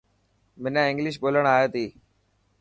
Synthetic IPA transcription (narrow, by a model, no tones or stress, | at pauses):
mɪnãɪ̃ŋɡlɪʃ̬ɓoːləɽ̃aːjet̪iː